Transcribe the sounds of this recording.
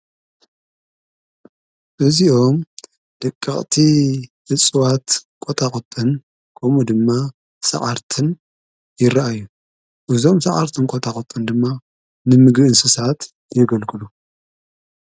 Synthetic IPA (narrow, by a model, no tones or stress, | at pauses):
ʔɨziʔo̞m | d̪̥ɐkʼːɐχʼt̪ʰihɨt͡sʼɨwat̪kʼot̪ʰaχʼɨt̪ʼɨn | kʰɐmud̪ɨmːa | sa̰ʕaɾt̪ʰɨn | jɪɾaʔajːu | ʔɨzo̞msaʕa̰ɾt̪ʰɨnkʼot̪ʰaxʼɨt̪ʼɨnd̪ɨmːa | nɨmɨɡɾɨɨnsɨsat̪ | jɪɡɐlkʰɨlu